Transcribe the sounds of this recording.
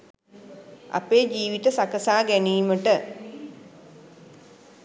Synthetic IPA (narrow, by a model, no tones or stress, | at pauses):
a̰peːd͡ʒiːʋit̪əsakəsaːɡæniːməʈə